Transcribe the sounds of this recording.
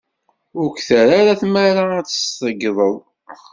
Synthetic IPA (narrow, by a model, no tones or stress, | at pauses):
ʊɾkθəɾaɾaθmaɾaæt͡sːə̥st̪ˤəɡðˤəðˤ